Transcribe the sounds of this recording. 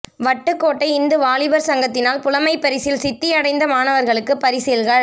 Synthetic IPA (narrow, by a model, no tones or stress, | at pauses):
ʋɐʈːɯkːoːʈːɐɪɪnd̪ɯʋaːlɪbɐɾsɐŋɡɐt̪ːɪnaːlpʊlɐmɐɪpːɐɾɪsɪlsɪt̪ːɪjɐɽɐɪnd̪ɐmaːnɐʋɐɾɣɐɭɯkːɯpɐɾɪsɪlɣɐɭ